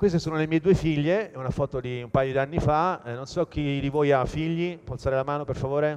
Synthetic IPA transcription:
kwest̪esuːnolemiːed̪uefiʎːeɛunafɔːt̪od̪iumpajod̪ianːifaɛnːonsɔk̟ːidivɔːjafiʎːipɔalt̪saːɾelamaːnoperfavoːɾe

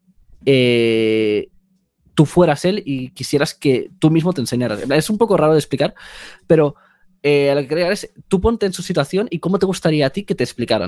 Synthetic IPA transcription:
e | t̪ufwe̞ɾase̞likisje̞ɾaske̞t̪umizmo̞t̪ense̞ɲaɾa̰semaesumpo̞ko̞raɾo̞ðe̞splikaɾpe̞ɾo̞ | ealokekɾeaest̪upo̞nt̪e̞ːnsusit̪waθjo̞niko̞mo̞t̪e̞ɣ̞ust̪aɾiaːt̪ike̞t̪esplikaɾa̰

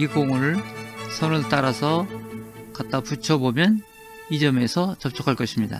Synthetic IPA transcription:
iɡoŋɯɾsʰʌnɯɭt͈aɾasʰʌ | kat̚t͈aput͡ɕʰʌbomjʌn | id͡ʑʌme̞sʰʌt͡ɕʌp̚t͡ɕʰʌ̥kʰaɭk͈ʌɕʰimɲida̰

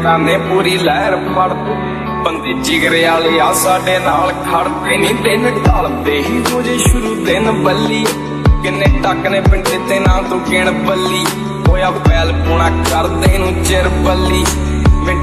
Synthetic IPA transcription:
aːneːpuːɾiːlɛːəɾpəɽ | bənd̪eːd͡ʒɪɡɾeːaːleːaːsaːɖeːnaːlkʰəɽt̪eːnĩːt̪enɖaːld̪eːɦiːd̪oːd͡ʒeːʃʊɾuːt̪enbəlːiː | kɪnːeːʈəkneːpɪɳʈeːt̪eːnaːlt̪õːkɪɳəbəlːiː | oːjãːpɛːlpuːɳãːkəɾt̪eːnũːd͡ʒɪɾbəlːiː | mɪ

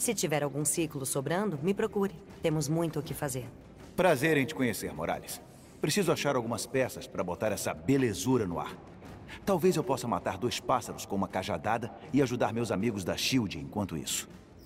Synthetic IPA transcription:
sɪt͡ʃivɛɾawɡũsiklʊsobɾɐ̃nd̪ʊmɪpɾokuɾɪ | t̪ẽmʊzmũj̃t̪ʊkɪfazeɾ | pɾazeɾẽj̃t͡ʃɪ̥kõɲeseɾmoɾa̰lɪs | pɾesizʊaʃaɾawɡũmɐspɛsɐspaɾɐbot̪aɾɛsɐbelezuɾɐnʊa̰ɾ | t̪awvezewpɔsɐma̰t̪aɾd̪ojspasɐɾʊskõũmɐkaʒa̰d̪ad̪ɐ | ɪaʒud̪aɾmewzamiɡʊzd̪ɐʃiwd͡ʒiḛ̃kwɐ̃nt̪ʊḭsʊ̥

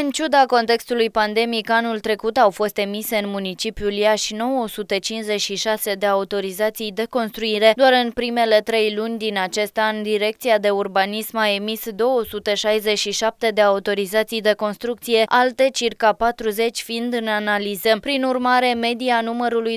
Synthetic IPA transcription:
ɨnt͡ʃud̪ako̞nt̪e̞kst̪ulujpand̪e̞mikanult̪ɾe̞kut̪awfo̞st̪e̞miseɨnmunit͡ʃipjuljaʃno̞wosut̪et͡ʃinze̞ʃiʃase̞d̪e̞aut̪o̞ɾizat̪sijd̪e̞ko̞nst̪ɾuiɾe̞d̪oaɾɨnpɾime̞le̞t̪ɾe̞jlunʲd̪inat͡ʃe̞st̪anʲd̪iɾe̞k̚t̪siad̪e̞urbanismae̞misd̪o̞wəsut̪eʃajze̞ʃiʃap̚t̪e̞d̪e̞aut̪o̞ɾizat̪sijd̪e̞ko̞nst̪ɾuk̚t̪sije̞ʔalt̪e̞t͡ʃirkapat̪ɾuze̞t͡ʃʲfind̪ɨnanalizəpɾinurmaɾe̞me̞d̪ianuməɾuluj

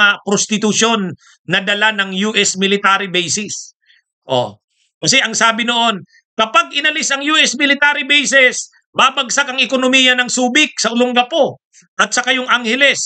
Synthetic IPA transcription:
ɐpɾost̪ɪt̪ʊʃo̞nː | ɐd̪ɐlanɐŋjuːʔɛsmɪlɪt̪aːɾɪbɛjsɪs | ʔo̞̰ | kɐsɛʔɐŋsaːbɪnoʔo̞n | kɐpaɡʔɪnɐlɪsɐŋjuːʔɛsmɪlɪt̪aːɾɪbɛjsɛs | maːbɐɡsakɐŋɪkonomijɐnɐŋsuːbɪk̚sɐʔʊloŋɡɐpo̞ | ʔɐt̪̚sɐkɐjoŋʔaŋhɛlɛs

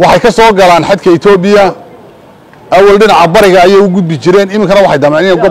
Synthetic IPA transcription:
wɑħɑjkʰɐsɔːɡɐlaːnħɑd̪kʰɐɪt̪ʰɔːbɪjɐ | ʔɐwɐlɖɪnɑʕɐbɐɾɪɣɐːjɛjʊɡʊd̪̚bɪt͡ʃɪɾɛːnɪmɪŋkʰɐnɐwɑħɑjd̪ɐmɛːnɪnɡ

